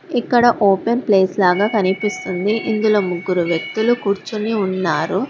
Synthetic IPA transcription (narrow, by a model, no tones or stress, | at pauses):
ikːɐɽɐʔoːpenpleːslaːɡaːkɐnipist̪und̪iʔind̪ulo̞ːmuɡːuɾuʋjɐk̚t̪ulukuːɾt͡ʃuniunːaːɾu